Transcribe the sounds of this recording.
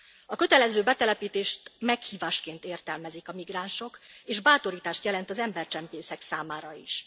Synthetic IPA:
ɒkø̞t̪ɛlɛzøːbɛt̪ɛlɛpiːt̪eːʃt̪mɛkhiːvaːʃkeːnt̪eːrt̪ɛlmɛzikɒmiɡraːnʃo̞keːʒbaːt̪o̞ɾiːt̪aːʃt̪jɛlɛnt̪ɒzɛmbɛrt͡ʃɛmpeːsɛksaːmaːɾɒḭʃ

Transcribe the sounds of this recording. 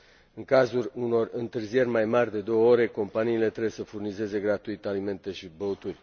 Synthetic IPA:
ɨŋkazulʲuno̞rɨnt̪ɨrzije̞rʲmajmarʲd̪e̞d̪o̞wəo̞ɾe̞ko̞mpaniːle̞t̪ɾebejesəfurnize̞ze̞ɡɾat̪uit̪alime̞nt̪e̞ʃibəut̪urʲ

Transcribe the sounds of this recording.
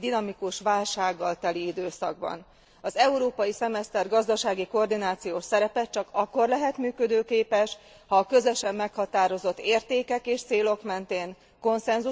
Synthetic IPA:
d̪inɒmikuʃʋaːlʃaːɡːɒlt̪ɛliid̪øːsɒ̰ɡ̚bɒ̰n | ɒzɛuɾoːpɒjisɛmɛst̪ɛrɡɒzd̪ɒʃaːɡiko̞ːrd̪inaːt̪sijoːʃsɛɾɛpɛt̪t͡ʃɒkɒkːo̞rlɛɦɛt̪myːkø̞d̪øːkeːpɛʃ | hɒːkø̞zøʃɛmːɛkhɒt̪aːɾo̞zo̞t̪ːeːrt̪eːkɛkeːʃt̪seːlo̞kmɛnt̪eːŋ | ko̞nsɛnzu

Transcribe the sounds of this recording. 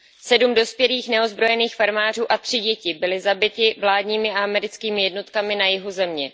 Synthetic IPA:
sɛdumdo̞spjɛliːxnɛo̞zbɾo̞jɛniːxfaɾmaːr̝uːʔat̪r̝̥ɪɟɛcɪbɪlɪzabɪt̪ɪvlaːdɲiːmɪaamɛɾɪt͡skiːmɪjɛdno̞t̪kamɪnajɪɦozɛmɲɛ

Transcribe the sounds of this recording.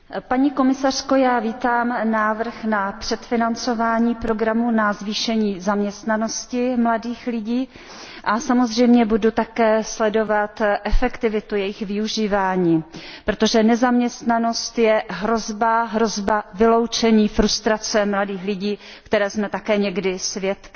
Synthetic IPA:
paɲiːko̞mɪsar̥ko̞jaːviːt̪aːmnaːvr̩xnapr̥ɛt̪fɪnant͡so̞vaːɲiːpɾo̞ɡɾamunazviːʃɛɲiːzamɲɛst̪nano̞scɪmladiːxlɪɟiː | ʔasamozr̝ɛjmɲɛbudut̪akɛːslɛdo̞vat̪ʔɛfɛkt̪ɪvɪt̪ujɛjɪxvɪuʒiːvaːɲiːppɾot̪o̞ʒɛnɛzamɲɛst̪nano̞st̪jɛɦɾo̞zbaɦɾo̞zbavɪlo̞wt͡ʃɛɲiːfɾust̪ɾat͡sɛmladiːxlɪɟiː | kt̪ɛɾɛːzmɛt̪akɛːɲɛɡdɪsvjɛt̪

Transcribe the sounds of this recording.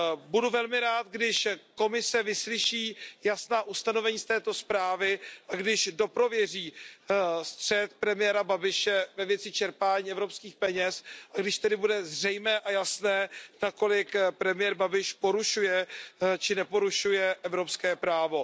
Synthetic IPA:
buduvɛlmɪɾaːt̪ɡdɪʃko̞mɪsɛvɪslɪʃiːjasnaːʔust̪ano̞vɛɲiːst̪ɛːt̪o̞spɾaːvɪʔaɡdɪʃdo̞pɾo̞vjɛr̝iː | st̪r̥ɛt̪̚pɾɛmɪjɛːɾababɪʃɛvɛvjɛt͡sɪt͡ʃɛɾpaːɲiːɛvɾo̞pskiːxpɛɲɛsʔaɡdɪʃt̪ɛdɪbudɛzr̝ɛjmɛːʔajasnɛːnako̞lɪkpɾɛmɪjɛɾbabɪʃpo̞ɾuʃujɛt͡ʃɪnɛpo̞ɾuʃujɛʔɛvɾo̞pskɛːpɾaːvo̞

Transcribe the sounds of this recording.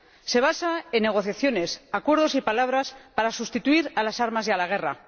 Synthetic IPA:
se̞β̞asae̞nːe̞ɣ̞o̞θjaθjo̞ne̞sakwe̞ɾð̞o̞sipalaβ̞ɾaspaɾasust̪it̪uiɾalasaɾmazjalaɣ̞e̞ra̰

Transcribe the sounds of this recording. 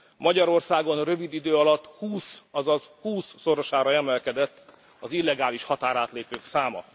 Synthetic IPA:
mɒɟɒɾo̞rsaːɡo̞nrø̞vid̪id̪øːɒlɒt̪ːhuːsɒzɒzhuːsːo̞ɾo̞ʃaːɾɒɛmɛlkɛd̪ɛt̪ː | ɒzilːɛɡaːliʃhɒt̪aːɾaːt̪leːpøːksaːmɒ̰

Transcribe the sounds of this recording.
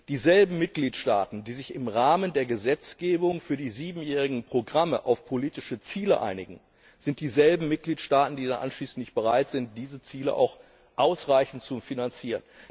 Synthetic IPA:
d̥iːzɛlbm̩mɪt̚ɡ̥liːtʃta̰ːtn̩diːzɪçɪmʁaːməndeːɐɡəzɛt͡sɡ̥eːbʊŋfyːɐdiːziːbm̩jɛːʁɪɡŋ̩pʁ̥oɡʁaməʔaʊfpʰoliːtɪʃət͡siːləʔa̰ɪnɪɡŋ̩ | z̥ɪnt̚d̥iːzɛlbm̩mɪt̚ɡ̥liːtʃtaːtn̩diːdanʔa̰nʃliːsn̩tnɪçt̚b̥əʁaɪtz̥ɪnt̚d̥iːzət͡siːləʔa̰ʊx | ʔaʊsʁaɪçn̩tt͡sufinant͡siːʁ̞ən

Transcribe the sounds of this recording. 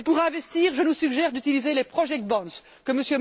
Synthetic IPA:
puʁɛ̃vɛst̪iːʁʒənusyɡʒɛʁd̪yt̪ilizelepχɔʒɛk̚t̪̚bɑ̃s | kəməsjøm

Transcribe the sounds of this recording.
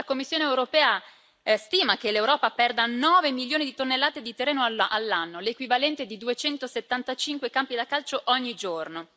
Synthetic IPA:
lakomːisːjoːneewɾopɛːa | st̪iːmak̟elewɾɔːpapɛrd̪anɔːvemiljoːnid̪it̪onːelːaːt̪ed̪it̪erːeːnoaʔalːanːolekwivalɛnt̪ed̪id̪uet͡ʃɛnt̪oset̪ːant̪at͡ʃiŋkwekampid̪akalt͡ʃoʔɔɲːid͡ʒorno

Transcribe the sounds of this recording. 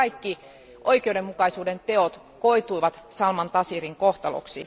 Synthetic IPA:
ɑjkːi | ʔo̞ikeude̞mːukɑisuːde̞nt̪e̞ot̪ | ko̞it̪uiʋɑt̪sɑlmɑnt̪ɑsiriŋko̞ht̪ɑlo̰ksi

